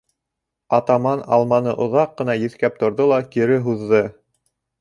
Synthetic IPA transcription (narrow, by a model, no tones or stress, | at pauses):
ɑt̪ɑmɑnɑ̰lˠmɑnɤʔŏðɑqːɤ̆nɑjɘ̆θkæp̚t̪ŏɾðolˠɑkiɾɘɦuðːɤ